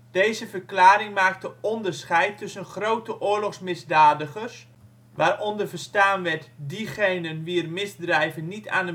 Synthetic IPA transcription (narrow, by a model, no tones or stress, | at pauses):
d̥eːzəvərklaːɾɪŋmaːk̚təɔndərsχɛjtʰːɵsənχrowtəʔʊːrlɔxsmɪzdaːdəχərs | ʋaːrʔɔndərvərstaːnʋɛtdiχejnənʋiərmɪzdrɛjvənːita̰ːnə